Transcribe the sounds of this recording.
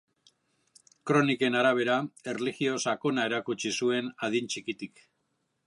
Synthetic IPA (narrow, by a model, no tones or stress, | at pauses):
kɾo̞nike̞naɾaβ̞e̞ɾae̞rliɣio̞sako̞nae̞ɾakut͡ʃisue̞naðint͡ʃikit̪ik